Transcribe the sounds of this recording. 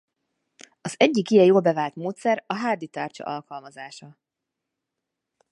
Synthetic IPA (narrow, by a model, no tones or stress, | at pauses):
ɒzɛɟːikijɛjoːlbɛvaːlt̪moːt̪sɛɾɒɦaːd̪it̪aːrt͡ʃɒ̰ʔɒlkɒlmɒzaːʃɒ